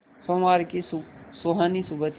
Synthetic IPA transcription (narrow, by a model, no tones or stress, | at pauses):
somaːɾkissoɦanisubət̪